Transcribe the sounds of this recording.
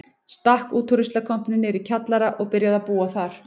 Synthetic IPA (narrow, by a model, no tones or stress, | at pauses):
st̪ahkuːt̪ʰɔɾʏst̪lakʰɔm̥pnɪnɛɾicʰat̪laɾaʔɔɣpɪɾjaðapuːaθaɾ̥